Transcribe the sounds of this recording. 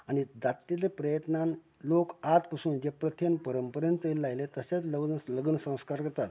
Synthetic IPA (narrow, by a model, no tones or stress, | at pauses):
añid̪at̪ːilepɾəjət̪nan | lokat̪kəsuːnd͡ʑepɾət̪ʰjənpəɾəmpəɾjənt̪əilːajlet̪əset͡sləɡənsləɡənsə̃w̃skaɾkəɾt̪at̪